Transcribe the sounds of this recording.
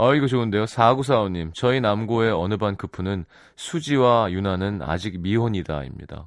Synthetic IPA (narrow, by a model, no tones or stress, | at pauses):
aiɡʌt͡ɕoɯnde̞josʰaɡus̬ʰaoɲimt͡ɕʌinamɡoe̞ʌnɯbankɯpʰunɯn | sʰud͡ʑiwajunanɯna̰d͡ʑik̚miɦoɲida̰ḭmɲḭd̥a̰